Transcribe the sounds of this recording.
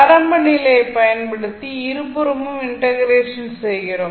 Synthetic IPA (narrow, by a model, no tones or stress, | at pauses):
ɐɾɐmbɐɳijlepɐjɐnpeɽut̪ːiiɾuburumumiɳʈɐɣreːʂɐnsejkɐɾɐ